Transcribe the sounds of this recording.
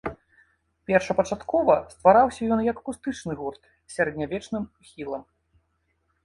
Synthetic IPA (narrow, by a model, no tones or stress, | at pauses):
pʲɛrʂɐpɐt͡ʂat̪kɔvɐst̪vaɾawsʲɐjɔnjɐkːust̪ɨt͡ʂnɨɣurt̪ | sʲaɾɛd̪ʲnʲavʲɛt͡ʂnɨmuxʲilˠɐm